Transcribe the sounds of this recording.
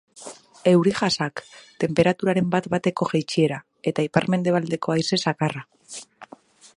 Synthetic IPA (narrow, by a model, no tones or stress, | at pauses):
e̞wɾiʝasakt̪e̞mpe̞ɾat̪uɾaɾe̞mbat̪bat̪e̞ko̞ʝajt͡ʃie̞ɾa | e̞t̪aipa̰ɾme̞nd̪e̞β̞ald̪e̞ko̞ajse̞sakara